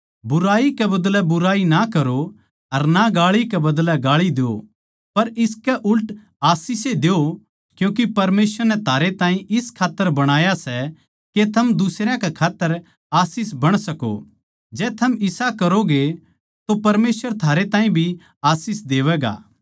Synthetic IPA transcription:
bʊɾaːikɛbɐd̪lɛbʊɾaːinakɐɾo | ɐɾnaɡaːɭikɛbɐd̪lɛɡaːɭid̪eo̰ | pɐɾɪskɛʔʊlʈ | aːsiːsed̪eo | kjũːk̬ipɐɾmeːsʋəɾnɛt̪ʰaːɾet̪ãːĩʔɪskʰaːt̪ːəɾbɐɽ̃aːjasɛ | ket̪ʰɐmd̪ʊsɾjãkɛkʰaːt̪ːəɾ | aːsiːs̬bɐɽ̃sɐko̰ | d͡ʒɛːt̪ʰɐmɪsakɐɾoɡe | t̪opɐɾmeːsʋəɾt̪ʰaːɾet̪ãːĩbʱi | aːsiːsd̪eːʋɛːɡa̰ː

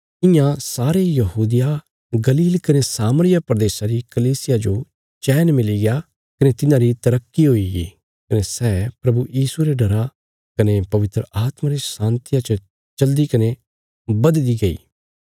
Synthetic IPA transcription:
ɪjãsaːɾejɐɦuːd̪ɪja | ɡɐliːlkɐnesaːməɾɪjapɾɐd̪eːsaɾikɐliːsɪjad͡ʒo | t͡ʃɛːnmɪliɡɪa | kɐnet̪ɪnãɾit̪ɐɾəkːiɦoːiɡḭ | kɐnesɛːpɾɐbujiːsuɾeɖɐɾa | kɐnepɐʋɪt̪ɾəʔaːt̪maɾesãːnt̪ɪjat͡ʃə | t͡ʃɐld̪ikɐne | bɐd̪liɡɐḭː

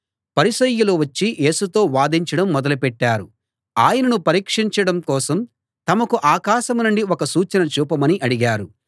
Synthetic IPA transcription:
pɐɾisɐjːuluʋɐt͡ʃːijʔe̞ːsut̪o̞ːʋaːd̪iɲt͡ʃɐɽɐmːɔd̪ɐlupɛʈːaːɾu | aːjɐnɐnupɐɾiːkʂiɲt͡ʃɐɽɐmkɔːsɐm | t̪ɐmɐkuʔaːkaːʃɐmnuɳɖiɔkɐsuːt͡ʃɐnɐt͡ʃuːpɐmɐniʔɐɽiɡaːɾu

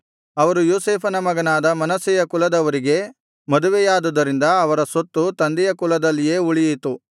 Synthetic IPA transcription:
ɐʋɐɾujoːseːpʰɐnɐmɐɡɐnaːd̪ɐmɐnɐsɛjɐkulɐd̪ɐʋɐɾiɡe̞ | mɐd̪uʋejaːd̪ud̪ɐɾind̪ɐːʋɐɾɐsot̪ːut̪ɐnd̪ijɐkulɐd̪ɐlːije̞ːuɭijit̪u

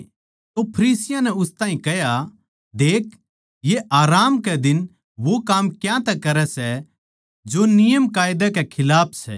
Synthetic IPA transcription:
t̪opʰɐɾiːsɪjãnɛʊst̪ãːɦĩkɛja | d̪eːk | jeʔaːɾaːmkɛd̪ɪn | ʋokaːmkjãt̪ɛkɐɾɛsɛ | d͡ʒonɪjəmkaːjd̪ɛkɛkʰɪlaːpʰsɛ̰

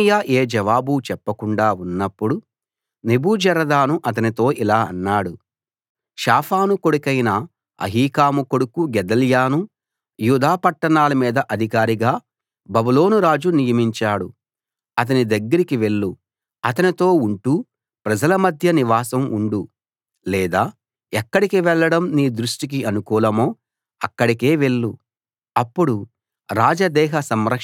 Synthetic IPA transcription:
jaːʔeːd͡ʒɐʋaːbut͡ʃɛpːɐkuɳɖaːunːɐpːuɽu | nebuːd͡ʒɐɾɐd̪aːnuʔɐt̪̬ɐnit̪o̞ːʔilaːɐ̰nːaːɽu | ʃaːpʰaːnukoɽukɐjnɐ | ɐ̰ɦiːkaːmuko̞ɽukuɡɛd̪ɐljaːnu | juːd̪aːpɐʈːɐɳaːlɐmiːd̪ɐʔɐd̪ʱikaːɾiɡaː | bɐbulo̞ːnuɾaːd͡ʒunijɐmiɲt͡ʃaːɽu | ɐt̪̬ɐnid̪ɐɡːɐɾikiʋe̞ɭːu | ɐt̪ɐnit̪o̞ːuɳʈu | pɾɐd͡ʒɐlɐmɐd̪ʱjɐniʋaːsɐmuɳɖu | lɛːd̪aː | ɛkːɐɽikiʋɛɭːɐɽɐmniːd̪ɾuʂʈik̬iʔɐnukuːlɐmo̞ː | ɐkːɐɽike̞ːʋe̞ɭːu | ɐpːuɽu | ɾaːd͡ʒɐd̪ɛːɦɐsɐmɾɐk

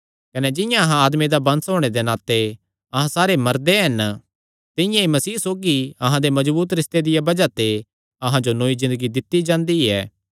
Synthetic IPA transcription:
kɐnɛd͡ʒɪ̃jãɐɦãaːd̪med̪abɐ̃nsɦoːɽ̃ed̪enaːt̪e | ɐɦãsaːɾemɐɾd̪eɦɐn | t̪ɪjãemɐsiːsoːɡiɐɦãd̪emɐd͡ʒbuːt̪ɾɪst̪ed̪ɪjabɐd͡ʒat̪e | ɐɦãd͡ʒonoːizɪ̃nd̪əɡid̪ɪt̪ːid͡ʒãːnd̪iɛ̰ː

